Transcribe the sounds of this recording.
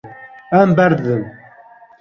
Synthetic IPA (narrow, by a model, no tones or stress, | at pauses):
æmbæɾðəm